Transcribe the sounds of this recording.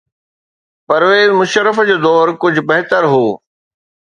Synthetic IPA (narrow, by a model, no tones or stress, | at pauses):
pɐɾʋeːzmʊʃəɾəfd͡ʑoːd̪ɔːɾkʊd͡ʑʱʊbɐɦt̪əɾɦoː